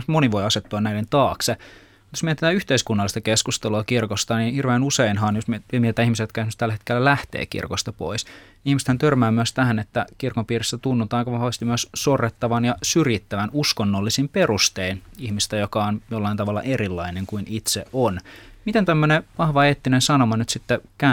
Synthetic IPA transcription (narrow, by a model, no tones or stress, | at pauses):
moniʋo̞jɑset̪ːuɑnnæilent̪ɑːkse | mut̪josmiet̪et̪æːyht̪eiskunːɑlːˑist̪ɑkeskust̪eluɑkirkost̪ɑninhirʋeːnuseinɦɑːnjosmemiet̪et̪æːihmisejot̪kɑsnyst̪ælːæhet̪kelːælæht̪ḛːkḭrkost̪ɑpo̰is | ihmiset̪hænt̪ørmæːmyøst̪æhænet̪ːækirkompiːrist̪æt̪unːut̪ɑːɑikɑʋɑhʋɑst̪imyøssorːet̪ːɑʋɑnjɑsyrjit̪ːæʋænuskonːolːisimpe̞rust̪einihmist̪æjokɑonjolːɑint̪ɑʋɑlːɑ̰ʔeɾilːɑineŋkuinit̪sḛʔʔonmit̪ent̪æmːøneʋɑhʋɑeːt̪ːinensɑnomɑnyt̪sit̪ːekæ